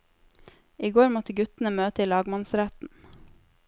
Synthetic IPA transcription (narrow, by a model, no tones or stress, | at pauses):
ʔiːɡoːɾmɔt̪əɡʉt̪n̩əmøːt̪əiːlɑːɡmɑnsɾæt̪n̩